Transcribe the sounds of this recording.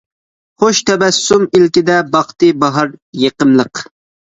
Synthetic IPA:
χoʃt̪ʰɛbɛsːumilkʲid̪ɛbɑχt̪ɨbɑɦɑɾjeqəmlˠəq

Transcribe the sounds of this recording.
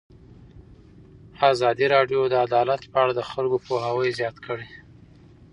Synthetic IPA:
azɑd̪iɾɑɖjod̪əad̪ɑlat̪pəaɽad̪əxalɡopoɦawəjzjɑt̪kʰəɽe

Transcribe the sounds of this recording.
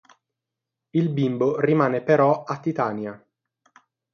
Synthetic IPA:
ilbimborimaːnepeɾɔat̪ːit̪anja

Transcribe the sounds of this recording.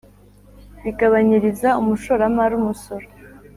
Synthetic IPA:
βiɡaβaɲiɾizaumuʃoɾamaɾumuso̞ɾo

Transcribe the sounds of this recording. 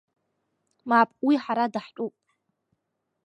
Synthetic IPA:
mapʼwiħaɾadaħt͡ʃʷʼupʼ

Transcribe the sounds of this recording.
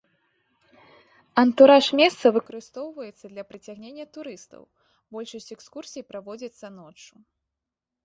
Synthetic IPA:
ɐnt̪uɾaʂmʲɛst̪sɐvɨkɐɾɨst̪ɔwvɐjɛt̪sːɐd̪lʲɐpɾɨt͡sʲaɣnʲenʲːɐt̪uɾɨst̪ɐ̰w | bɔlʲʂɐsʲt͡sʲɛkskursʲijpɾavɔd͡zʲit̪sːɐnɔt͡ʂːu

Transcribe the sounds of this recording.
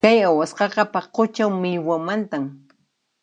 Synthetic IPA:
kajawasqɑqɑpaqot͡ʃawmɪʎwamant̪am

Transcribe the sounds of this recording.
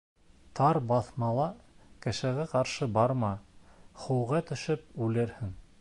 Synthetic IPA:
t̪ɑɾbɑθmɑlˠɑkɘ̆ʃæɣæqɑɾʃɤbɑɾmɑχuwʁɑt̪ɵ̆ʃɘpʉlɘ̆ɾhɘŋ

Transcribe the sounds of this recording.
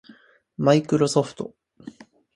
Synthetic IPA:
maikɯ̟ɾo̞so̞ɸɯ̟̥t̪o̞̰

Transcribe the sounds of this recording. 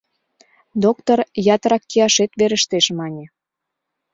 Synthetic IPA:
d̪ok̚t̪orjɑt̪əɾɑkːiɑʃet̪βeɾəʃt̪eʃmɑnʲĕ

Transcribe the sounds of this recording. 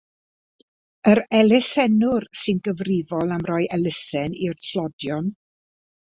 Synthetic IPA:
əɾɛlɛsɛnʊrsɨnɡəvrɪvɔlˠamrɔjʔɛlˠəsɛnirɬʰlɔdjɔn

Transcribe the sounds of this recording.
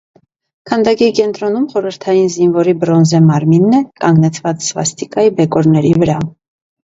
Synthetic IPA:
kʰɑnd̪ɑkikɛnt̪ɾɔn̪umχɔɾəɾt̪ʰɑjinzinvɔɾibɾɔnzɛmɑɾminːɛkɑŋɡnɛt͡sʰvɑt͡ssvɑ̰st̪ikɑjibɛkɔɾnɛɾivəɾɑ

